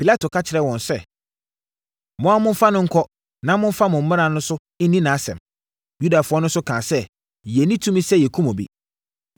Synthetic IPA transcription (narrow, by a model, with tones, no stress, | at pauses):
pʰi˨la˦tʰo˨kʰa˦t͡ɕʰɪ˨ɾɛ˨wɔ̃˨nsɛ˦ | mɔ̃˨˦a˦mʊ̃˦m˦fa˦nʊ̃˦ŋ̩˦kʰɔ˦ | nã˦mʊ̃˦fa˦mʊ̃˨m̩˦m̃˦ã˨nʊ̃˦sʊ˦ | ɪ˦nĩ˦nã˨˦sɛ̰̃˨m | ju˦da˨fʊ˦ɔ˦nʊ̃˦sʊ˦kʰãː˨sɛ˦ | jɛ˨nĩ˦tʰũ˦mĩ˦sɛ˦jɛ˨kʰu˦mɔ̃˨bḭ˨